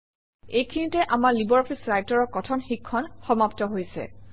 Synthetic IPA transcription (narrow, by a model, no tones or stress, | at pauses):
ejkʰinitɛʔamaɹlibɔɹɔpʰisɹajtɔɹɔɹkɔtʰɔnxikʰːɔnxɔmaptɔɦojsɛ̰